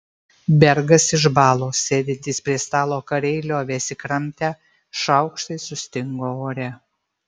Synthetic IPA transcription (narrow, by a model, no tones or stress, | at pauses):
bʲɛɾɡɐsɪʒbɑːlˠoːsʲeːd̪ʲɪnt̪ʲiːspʲɾʲiɛst̪ɑːlˠoːkɐɾʲɛɪlʲoːʋʲɛsʲɪkɾɐmʲˑt̪ʲæː | ʃɐʊkʃt̪ɐɪsʊsʲt̪ʲɪŋɡoːoːɾʲɛ